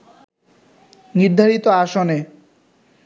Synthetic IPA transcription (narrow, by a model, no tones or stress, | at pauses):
niɾd̪ʱaɾit̪oaʃone